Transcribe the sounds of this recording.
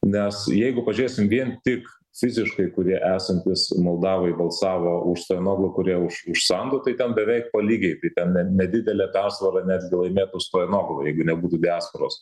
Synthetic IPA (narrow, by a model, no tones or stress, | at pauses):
nʲɛsjɛɪɡʊpɐʒʲeːsʲɪmʋʲiɛnt̪ʲɪk | fʲɪzʲɪʃkɐɪkʊɾʲiɛʔæːsɐnʲt̪ʲɪsmɐlˠd̪ɑːʋɐɪbɐlˠsɑːʋoːʔʊʃst̪oːɛnoːɡlˠʊkʊɾʲiɛʊʃʊʃsɐnd̪ʊt̪ɐɪt̪ʲɛnbʲɛʋʲɛɪk̚pɐlʲiːɡʲɛɪt̪ɐɪt̪ʲɛnnʲɛnʲɛd̪ʲɪd̪ʲɛlʲɛpʲæːrsʋɐɾɐnʲæːd̪ʲɡʲɪlˠɐɪmʲeːt̪ʊst̪oːɛnoːɡlˠojɛɪɡʊnʲɛbuːt̪uːd̪ʲæːspɐɾoːs